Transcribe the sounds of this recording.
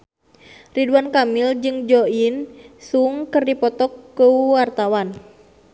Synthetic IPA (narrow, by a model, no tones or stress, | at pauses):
riduankamild͡ʒɨŋd͡ʒɔinsuŋkərdipɔt̪ɔkːuwart̪awan